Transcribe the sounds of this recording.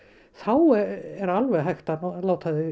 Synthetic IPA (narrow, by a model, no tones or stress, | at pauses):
θawɛɛɾalvɛðɦajxt̪alaːwt̪ʰaðɪ